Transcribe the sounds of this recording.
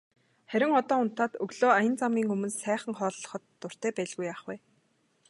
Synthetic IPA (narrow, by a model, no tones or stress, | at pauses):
χæɾʲɪ̆ŋɔt̪ɔːʊnt̪aːt̪ɵɣɮoːajə̆nt͡samɡʲiːŋɵmɵ̆nssæːχə̆ŋχɔːɮːɞ̆χɞ̆t̪ːʊr̥t̪æːpæːɮɣujaːχwæː